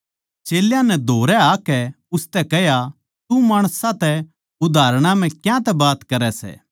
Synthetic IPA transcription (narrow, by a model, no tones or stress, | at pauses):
t͡ʃeːljãnɛd̪ʱoːɾɛaːkɛ | ʊst̪ɛkɛɦja | t̪umaːɽ̃sãt̪ɛ | ʊd̪ʱaːɾɽ̃ãm̤ɛ̃kjãt̪ɛbaːt̪kɐɾɛsɛ̰ː